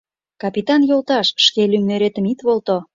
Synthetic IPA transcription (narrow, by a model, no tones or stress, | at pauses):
kɑpit̪ɑnjolt̪ɑʃʃkelymnøɾet̪ə̆mit̪βolˠt̪o